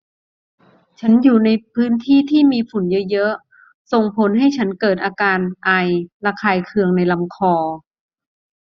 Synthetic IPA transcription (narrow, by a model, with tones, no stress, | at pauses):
t͡ɕʰa˦˥njuː˨˩na˧jpʰɯː˦˥nt̪ʰiː˥˩t̪ʰiː˥˩miː˧fu˨˩˦njɤ˦˥jɤ˦˥ʔ | so˨˩ŋpʰo˩˦nɦa˥˩jt͡ɕʰa˦˥nkɤː˨˩t̪̚ʔaː˧kaː˧nʔa˧jɾa˧kʰaː˧jkʰɯ˧əŋna˧jla˧mkʰɔː˧